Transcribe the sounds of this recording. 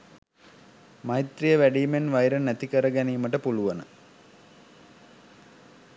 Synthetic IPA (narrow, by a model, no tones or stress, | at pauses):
majit̪rijəʋæɖiːmenʋajɾənːæt̪ikəɾəɡæniːməʈəpuluʋɐnə